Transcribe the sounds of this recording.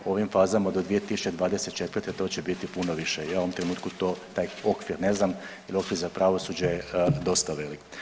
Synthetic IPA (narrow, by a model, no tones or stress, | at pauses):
o̞ʋimfaːzamad̪od̪ʋije̞t̪isu̥t͡ɕed̪ʋaːd̪e̞se̞t̪̚t͡ʃe̞t̪ʋəɾrt̪et̪o̞ːt͡ɕebit̪ipunoʋiʃejauomt̪ɾe̞nuːt̪kut̪o̞ːt̪aːjo̞kʋiɾne̞znam | elio̞kʋiɾzapɾaʋo̞sud͡ʑejed̪o̞st̪aʋelik